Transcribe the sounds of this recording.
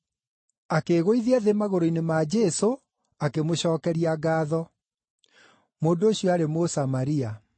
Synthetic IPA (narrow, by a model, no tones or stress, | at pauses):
akeːɣoiðiaðemaɣoɾoinemad͡ʒɛso | akemoɕɔːkɛɾiaɡaːðɔ | moːndooɕijɔaɾemosamaɾia